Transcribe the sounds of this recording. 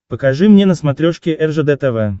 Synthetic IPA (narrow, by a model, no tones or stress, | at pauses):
pəkɐʐɨmnʲenəsmat̪ɾʲoʂkʲɪʔɛrʐɛd̪ɛt̪ɛvɛ